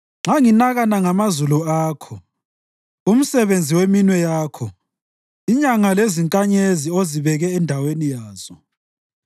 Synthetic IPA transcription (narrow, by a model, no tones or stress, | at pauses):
ŋ͡ǁaŋinaɣanaŋamazuluaːkʰɔ | um̩sɛβend͡zʱiweminwɛjaːkʰɔ | iɲaŋaleziŋkʼaɲezioziβɛɣɛːndʱawenijaːz̥ɔ